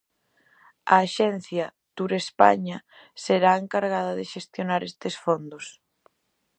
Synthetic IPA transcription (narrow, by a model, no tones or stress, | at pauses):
a̰ːʃɛn̟θjɐ | t̪uɾespa̰ɲa | seɾaeŋkaɾɣaðɐðeʃest̪jonaɾest̪esfond̪os